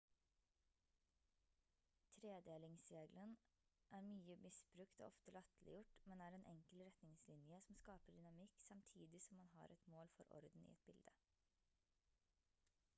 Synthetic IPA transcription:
t̪ʰɾeːd̪eːlɪŋsɾeːɡlən | ʔæːɾmyːəmɪsbɾʉkt̪ɔ̰ːʔɔft̪əlɑt̪l̩ʔɪ̰jʊʈmɛnæːɾɛːnʔɛŋkəlɾɛt̪nɪŋslɪnjəsɔm̩skɑːpəɖ̪ʏnɑmɪksɑmt̪ʰiːd̪ɪsɔmːɑnɦɑ̰ɾʔɛt̪moːlfɔ̰ɾɔ̰ɾd̪n̩ɪ̰ɛt̪̚bɪld̪ə

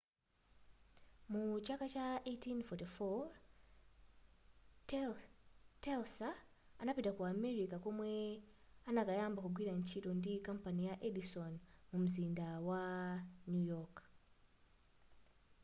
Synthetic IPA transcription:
mut͡ʃakat͡ʃaʔetinfɔtifɔ | t | tɛlsaː | napitakwaːmɛɾikakɔmwɛanakajambakuɡwiɾan̩t͡ʃitɔndikam̩panijaʔɛdisɔnmum̩zindawanujɔk

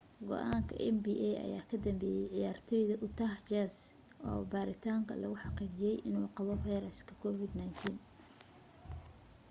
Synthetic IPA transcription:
ɡɔ̰ʔaːŋkʰɐ̰ʔɛnbiːʔɛɐ̰jaːkʰɐd̪ɐmbɛːjɛjʕɪjaːrt̪ʰɔjðɐʔʊt̪ʰaːht͡ʃas | ʔɔ̰ːbaːɾɪt̪ʰaːŋkʰɐ̰lɐɣʊħɑqiːt͡ʃɪjɛjʔɪnuːqɑβɔfajɾɐskʰɐ̥kʰɔfɪd̪najnt̪ʰiːn

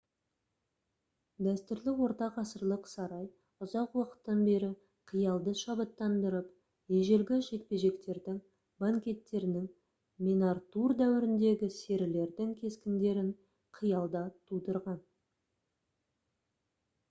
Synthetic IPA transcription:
d̪æst̪ʏɾlɪwo̞ɾt̪ɑqɑsəɾlˠəqsɑɾɑj | ʊzɑqwɑqə̥t̪ːɑnbe̞ɾɪ | qʰijɑlˠd̪əʃɑbət̪ːɑnd̪əɾəp | jeʒelɡʲɪʃe̞k̚pe̞ʒe̞kt̪e̞ɾd̪ɪŋ | baŋkʲe̞t̪ːe̞ɾɪnɪŋ | mʲenɑrt̪urd̪æwɪɾɪnd̪e̞ɡʲɪse̞ɾɪle̞ɾd̪ɪŋkʲʰe̞skʲɪnd̪e̞ɾɪɴ | qʰijɑlˠd̪ɑt̪ʰud̪əɾʁɑn

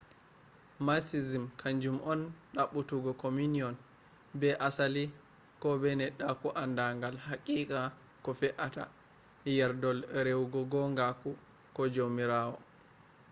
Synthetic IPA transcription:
masizimkʰaɲd͡ʒumʔɔnɗaɓːutuɡɔkominiɔn | bɛʔasali | kɔbɛnɛɗːakuʔandaŋɡalhakʼiːkʼa | kɔfɛʔata̰ | jɛɾdɔlɾewɡɔɡɔŋɡaku | kɔd͡ʒomiɾaːwɔ̰

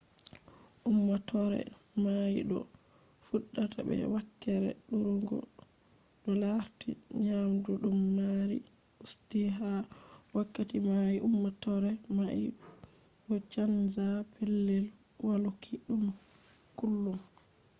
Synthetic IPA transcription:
ʔumːatɔɾɛ̰majḭɗɔ̰fuɗːata̰bɛ̰wakːɛɾɛ̰ɗuɾɡɔ̰ | ɗɔlaɾtḭɲamduɗumːaɾḭ | ustiɦawakːatimajiʔumːatɔɾɛmajḭ | ɗɔt͡ʃanzapɛlːɛl | walukʰiɗumkulːum

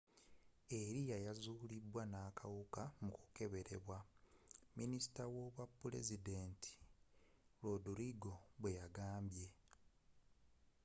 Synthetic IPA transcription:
e̞ɾijajazuːlibwanaːkʰawukamuku̥ke̞βe̞ɾe̞βwa | minisi̥tawoβwapːule̞̰zide̞ːntʰi̥ | ɾoduɾiɡo̞βwe̞jaɡaːmbje̞

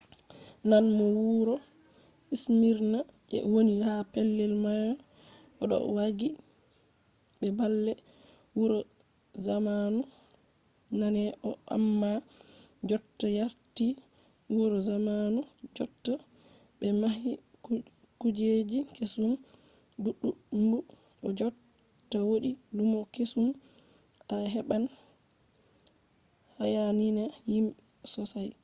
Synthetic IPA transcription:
nanmɔwuɾɔ | ismiɾna | ʔɛ̰wonihapɛlːɛlmajɔ | ɔɗɔ̰waɡi | ɓɛbalːɛ | wuɾɔ | zamanu | nanɛʔɔʔa̰mːa | d͡ʒɔtːɔjaɾti | wɔɾɔzamanud͡ʒɔtːa | bɛmaɦi | kud͡ʒed͡ʒikesum | duɗːuɗumbu | ʔɔd͡ʒɔ | tːawoɗidumɔkesum | ʔaɦɛɓan | hajaninajimɓɛsɔsaj

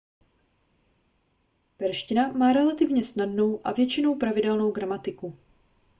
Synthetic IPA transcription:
pɛɾʃcɪnamaːɾɛlat̪ɪvɲɛsnadno̞wʔavjɛt͡ʃɪno̞wpɾavɪdɛlno̞wɡɾamat̪ɪku

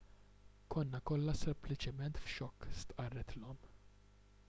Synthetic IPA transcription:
kʰɔnːɐkɔlːɐsɛmplɪt͡ʃɪmɛnt̪fʃɔkːst̪ʔɐrːɛt̪lɔm

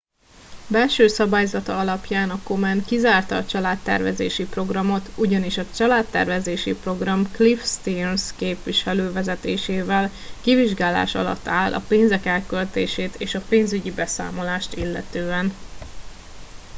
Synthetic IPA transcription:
bɛlʃøːsɒbaːjzɒt̪ɒɒlɒpjaːnɒko̞mɛnkizaːrt̪ɒːt͡ʃɒlaːt̪ːɛ̰rvɛ̰zḛːʃipro̞ɡrɒmo̞t̪uɟɒniʃɒt͡ʃɒlaːt̪ːɛ̰rvɛzeːʃipro̞ɡrɒmklifst̪inskeːpʋiʃɛløːvɛzɛt̪eːʃeːvɛl | kiviʒɡaːla̰ːʃɒ̰lɒ̰t̪ːaːlʔɒ̰peːnzɛkɛlkølt̪eːʃeːt̪eːʃɒpeːnzyɟibɛsa̰ːmo̞laːʃt̪ilːɛ̰t̪øːɛn

